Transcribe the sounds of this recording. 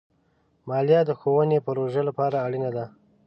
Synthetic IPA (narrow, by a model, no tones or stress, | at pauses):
mɑljɑd̪əxowənepaɾoʒəlapɑɾaːɽinad̪a